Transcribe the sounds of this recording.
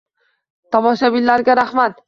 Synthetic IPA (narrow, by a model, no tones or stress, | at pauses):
t̪ʰɒmɒʃabɪlːaɾɡʲaɾaχmat̪